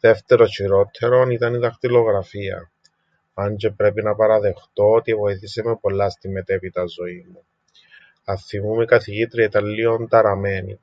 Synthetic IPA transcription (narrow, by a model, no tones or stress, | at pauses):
ðe̞ft̪e̞ɾoʃiɾo̞t̪ʰːe̞ɾo̞nit̪ɐniðɐxt̪ilo̞ɣɾɐfiɐ̰ | ɐnd͡ʒepɾe̞pinɐpɐɾɐðe̞xt̪o̞ot̪ivo̞iθisemepo̞lːɐst̪imːe̞t̪e̞pit̪ɐzo̞imːu | ɐθimumekɐθiʝit̪ɾiɐit̪ɐlːiont̪ɐɾɐmenḭ